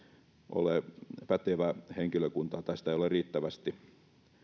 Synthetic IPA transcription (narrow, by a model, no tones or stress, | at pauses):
ʔo̰lepæt̪eʋæheŋkiløkunt̪ɑt̪æst̪æˑijoleriːt̪ːæʋæst̪i